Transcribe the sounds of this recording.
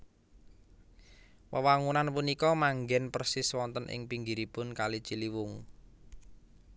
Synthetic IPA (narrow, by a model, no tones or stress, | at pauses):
pəwaŋunanpunikɔmaŋɡɛnpərsɪswɔnt̪ənʔɪ̰ŋpiŋɡiɾipʊnkalit͡ʃiliwʊŋ